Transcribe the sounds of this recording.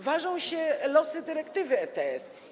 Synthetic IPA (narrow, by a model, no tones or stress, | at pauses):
vaʐɔ̃w̃ɕɛlɔsɘd̪ɘɾɛkt̪ɘvɘɛt̪ɛɛs